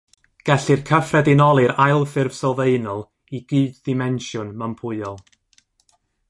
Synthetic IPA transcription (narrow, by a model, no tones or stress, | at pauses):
ɡ̥ɛɬɨrkʰəfrɛdɪnɔlˠɨɾajlˠfɪrv̥sɔlˠveɨnɔlˠ | iɡiːddɪmɛnʃjʊnməmpʰʊɨɔlˠ